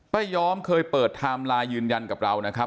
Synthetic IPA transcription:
pa˨˩jːɔː˦˥mkʰɤː˧jpɤː˨˩t̪ʰːaː˧mlaː˧jjɯː˧nja˧nka˨˩p̚ɾa˧wna˦˥kʰa˦˥

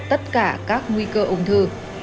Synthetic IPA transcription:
t̪ə˦˥t̚kaː˧˩kaː˦˥k̚ŋwi˧kəː˧ʔʊ˨˧˩ŋ͡mt̪ʰɨ˧

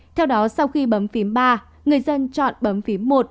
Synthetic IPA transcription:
t̪ʰɛ˧wɗɔ˨˦sa˧wxi˧ɓə˨˦mfi˨˦əmɓaː˧ | ŋɨ˨˩əjzə˧nt͡ɕɔ̰˧˨nɓə˨˦mfi˨˦mːo˨˩t̚

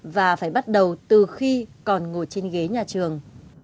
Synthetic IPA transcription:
vaː˨˩faː˧˩jɓa˦˥t̚ɗə˨˩wt̪ɨ˨˩xi˧kɔ˨˩nŋo˧˩t͡ɕe˧nɣe˨˦ɲaː˨˩t͡ɕɨ˨˩əŋ

